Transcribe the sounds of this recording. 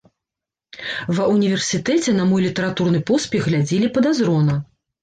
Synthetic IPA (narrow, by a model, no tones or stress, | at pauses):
vɐunʲivʲɛrsʲit̪ɛt͡sʲɛnɐmɔjlʲit̪ɐɾat̪urnɨpɔspʲɛxɣlʲad͡zʲelʲipɐd̪azɾɔnɐ